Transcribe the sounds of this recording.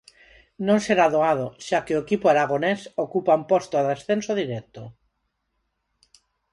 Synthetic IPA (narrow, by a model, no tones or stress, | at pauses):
nõnseɾaðoað̞oʃakeoekipoaɾaɣ̞onesokupaumpost̪oðesθensoðiɾɛk̚t̪o